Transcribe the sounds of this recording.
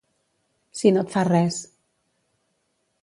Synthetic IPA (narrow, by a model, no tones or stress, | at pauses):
sinot̪farɛs